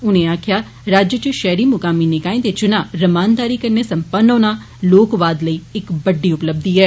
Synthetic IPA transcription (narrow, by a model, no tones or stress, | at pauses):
ʊnẽːaːkʰjaː | ɾaːd͡ʒjət͡ʃʃɛːɾiːmʊkaːmiːnɪkaːẽːd̪eːt͡ʃʊnãːɾəmaːnd̪aːɾiːkəɾneːsəmpənːõːnaː | loːkʋaːd̪ləiːɪkbəɖːiːʊpləb̚d̪iːɦɛː